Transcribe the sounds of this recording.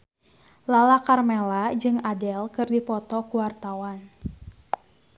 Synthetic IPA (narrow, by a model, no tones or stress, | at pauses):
lalakarmɛlad͡ʒɨŋadɛlkɨrdipɔt̪ɔkuwart̪awan